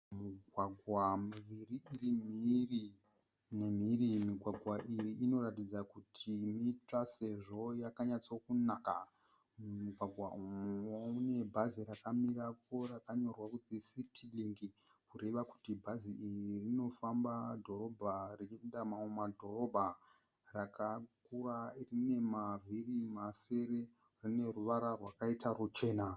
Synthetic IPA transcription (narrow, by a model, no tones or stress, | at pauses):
muɡʱwaɡʱwamuʋiriirimiri | nem̤irimiɡʱwaɡʱwaʔiriino̞ratid͡zakutʰimit͡ʂase̞ʐo̞jakaɲat͡sokunaka̰ | uɡʱwaɡʱwa̰ʔumuoune̞bʱaziɾakamirap̚o̞rakaɲo̞rwakud͡zisitʰiliŋɡi | kure̞ʋaku̥tibʱaziiririno̞fambadʱo̞ro̞bʱarit͡ʃindamaumadʱo̞ro̞bʱa | rakʰakurarine̞mavʱirimase̞ɾe̞ | rine̞ruʋaɾarwakaitarut͡ʃe̞ːna